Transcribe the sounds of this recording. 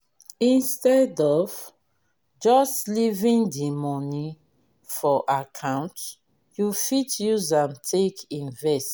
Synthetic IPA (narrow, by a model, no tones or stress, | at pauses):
ĩnstɛdɔv̥ | d͡ʒɔstlivĩndimɔni | fɔʔakʰãʊ̃nt | jufitjuzãmtʰekʰĩnvɛst